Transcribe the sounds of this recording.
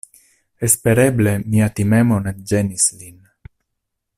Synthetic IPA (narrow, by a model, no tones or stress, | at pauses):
espeɾeblemiat̪imɛmonet̪̚d͡ʒenislin